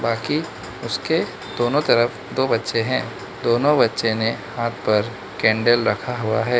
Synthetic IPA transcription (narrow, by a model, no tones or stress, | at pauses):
baːki | ʊske | d̪̥oːnõt̪ɐɾəf | d̪oːbɐtːʃeɦɛ̃ː | d̪oːnõbɐtːʃenehaːt̪̚ʰpɐɾ | kɛ̃ːɳɖəlɾɐkʰaɦʊa̰ɦɛː